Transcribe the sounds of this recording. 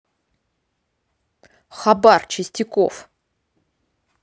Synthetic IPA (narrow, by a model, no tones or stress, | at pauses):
χabart͡ʃʰɪsʲtʲiko̰f